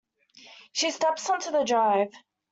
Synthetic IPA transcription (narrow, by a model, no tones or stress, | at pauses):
ʃistɛpsʌ̃ntʰəðədɹaɪv̥